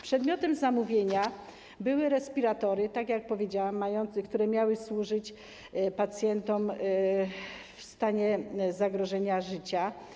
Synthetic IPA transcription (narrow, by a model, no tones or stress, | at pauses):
pʂɛd̪mʲjɔt̪ɛmzamuvʲjeɲa | bɘwɘɾɛspʲiɾat̪ɔɾɘt̪akjak̚pɔvʲjed͡ʑawamːajɔnt̪skt̪uɾɛmʲjawɘswuʐɘt͡ɕ | pat̪sʲjɛnt̪ɔm | fst̪aɲɛzaɡɾɔʐɛɲaʐɘt͡ɕa